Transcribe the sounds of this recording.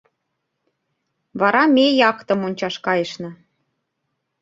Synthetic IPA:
βɑɾɑmʲejɑkt̪ɤ̆monʲt͡ɕɑʃkɑjə̆ʃnɤ̆

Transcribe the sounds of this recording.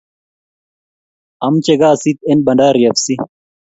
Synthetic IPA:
ɐmt͡ɕeɡaːsit̪̚enbɐɳɖaːɾijɐfsi

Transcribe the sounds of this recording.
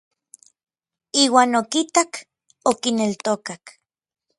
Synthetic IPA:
iːwaːnokit̪ak | okinelt̪okak

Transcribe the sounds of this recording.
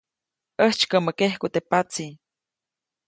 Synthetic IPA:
əht͡ʃkəməkehkut̪epat͡si

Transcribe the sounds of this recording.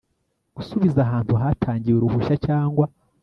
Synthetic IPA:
ɡ̥usuβizaɦaːntuɦatʰaːɲɟiweɾuβuʃacaːŋɡwa

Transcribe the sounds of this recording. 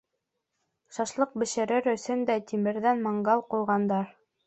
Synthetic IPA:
ʃɑʃlˠɤq̚bɘ̆ʃɘ̆ɾɘɾɵ̆sɵnd̪æt̪imɘ̆ɾðænmɑɴɢɑlˠqujʁɑnd̪ɑɾ

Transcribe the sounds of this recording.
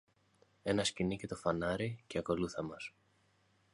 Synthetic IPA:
e̞nɐscinice̞t̪o̞fɐnɐɾice̞ɐko̞luθɐmɐs

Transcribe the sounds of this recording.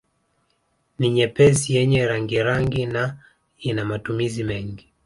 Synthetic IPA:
niɲɛpɛzijɛɲɛɾaŋɡiɾaŋɡina | inamatumizimɛŋɡi

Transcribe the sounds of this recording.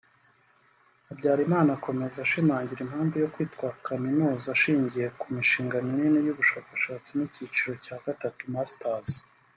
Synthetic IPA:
abɟaːɾimaːnako̞me̞zaʃimaːɲɟiɾimhaːɱvujo̞kwiːtkwakaminuːzaʃiːɲɟije̞kumiʃiːŋɡanininijuβuʃaːkaʃaːt͡sinicit͡ʃiɾo̞caːɡ̥atatumastaz

